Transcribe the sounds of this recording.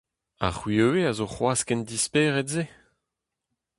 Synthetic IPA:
a̰χɥiøweazoχwaːskɛnd̪ispeːʁɛtze

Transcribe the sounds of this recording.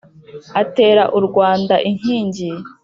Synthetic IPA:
ate̞ːɾaʔuɾɡwaːndaʔiŋ̥hiːɲɟi

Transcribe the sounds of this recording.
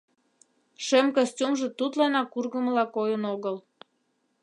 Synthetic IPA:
ʃemkosʲtʲumʒə̆t̪ut̪lɑnɑkurɣəməlɑkojənoɣəl

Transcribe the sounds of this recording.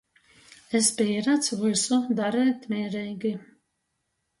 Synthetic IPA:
espʲiːɾat̪svɨsud̪aɾɛːt̪mʲɛːɾɛjɡi

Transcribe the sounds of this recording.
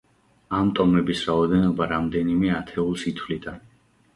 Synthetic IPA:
amt̪ʼɔmɛbisɾaɔd̪ɛnɔbaɾamd̪ɛnimɛat̪ʰɛulˠsit̪ʰwlit̪ʼa

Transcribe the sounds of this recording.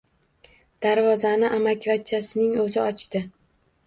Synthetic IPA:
d̪̥aɾvɒzanɪʔamakʲvat͡ʃʰːasɪnɪŋɵzɪɒt͡ʃt̪ɪ

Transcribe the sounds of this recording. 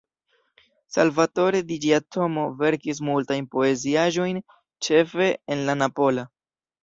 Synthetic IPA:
sa̰lvato̞ɾe̞did͡ʒiatʰo̞mo̞ve̞ɾkis̬multajnpo̞e̞ziaʒo̞jn | t͡ʃe̞fe̞enlanapo̞la

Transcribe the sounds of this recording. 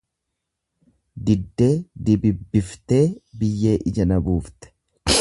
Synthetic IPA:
d̪ɪd̪ːe̞ːd̪ɪbɪbːɪft̪e̞ːbɪjːe̞ːʔɪd͡ʒɐnɐbuːft̪ɛ̥

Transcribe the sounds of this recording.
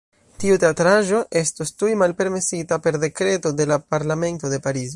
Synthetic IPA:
tiute̞atɾaʒo̞ʔe̞stostujmalpe̞ɾme̞sitape̞ɾde̞kɾe̞tode̞lapaɾlame̞nto̞de̞paɾizo

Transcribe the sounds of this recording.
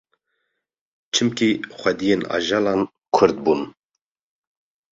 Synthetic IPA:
t͡ʃʰɨmkixʷɛd̪ijeːnɑ̰ʒɑːlɑːn | kʰʊɾd̪̚bun

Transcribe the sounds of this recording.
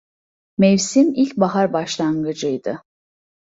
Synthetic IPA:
mɛvsimilʲcbaɦaɾbaʃlˠaŋɡɯd͡ʒɯjd̪ɯ

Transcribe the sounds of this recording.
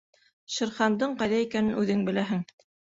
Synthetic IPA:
ʃɤ̆ɾχɑnd̪ɤɴqɑjðæikænɘnʉðɘŋbɘ̆læɦɘŋ

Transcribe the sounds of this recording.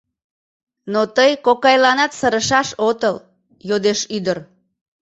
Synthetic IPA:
not̪əjkokɑjlɑnɑt̪səɾəʃɑʃot̪əl | jod̪eʃyd̪ər

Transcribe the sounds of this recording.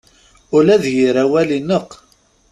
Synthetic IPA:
ʊlæðjiɾæwælinəq

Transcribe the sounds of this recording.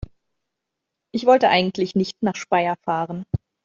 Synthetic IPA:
ʔɪçv̥ɔltəʔaɪɡŋ̩tʰlɪçnɪçtnaːχʃpaɪɐfaːʁən

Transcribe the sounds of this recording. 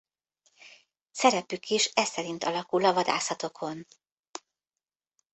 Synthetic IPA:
sɛɾɛpykʰiʃɛsɛɾint̪ɒlɒkulɒvɒd̪a̰ːsɒt̪o̞kʰo̞n

